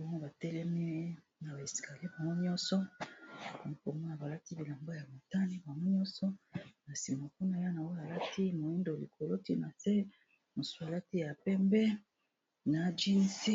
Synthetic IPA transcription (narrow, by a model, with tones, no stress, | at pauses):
bo˦ŋo˦ba˨tɛ˦lɛ˦mɛ˦ | na˨ba˨e˨si̥˨kʰa˨li˦ba˨ŋɡo˦ɲ˦ɔ˦nsɔ˦˨ | ba˨ŋo˦ko˨mo˦na˨ba˨la˦ti˦bi˨la˨mbo˦ja˨mo˨ta˦ni˦ba˨ŋɡo˦ɲɔ̃˦nsɔ˦na˨si˨ma˨ku˦na˦ja˦na˨o˦ja˨la˦ti˦mo˨e˦ndo˨li˨ko˨lo˦ti˦na˨se˦ | mo˨su˦a˨la˦ti˦ja˨pɛ˦mbɛ˦ | na˨d͡ʒi˦n˦si˦